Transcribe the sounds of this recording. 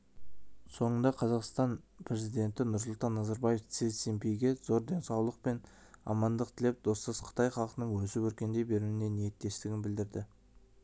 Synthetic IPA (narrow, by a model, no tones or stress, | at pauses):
so̞ɴənd̪ɑqʰɑzɑqst̪ɑnpʰɾe̞zijd̪e̞nt̪ɪnʊɾs̬ʊlˠt̪ɑnːɑzɑɾbɑje̞ft̪sesempejɡʲe̞zo̞ɾd̪e̞nsɑwlˠəq̚pe̞n | ɑ̰mɑnd̪əq̚t̪ʰɪle̞p̚d̪̥o̞səzqʰə̥t̪ɑjχɑlˠqənəɴwɵsɪpɵɾkʲe̞nd̪e̞jbe̞ɾuwɪne̞nije̞t̪ːe̞st̪ɪɡʲɪnbɪld̪ɪɾd̪ɪ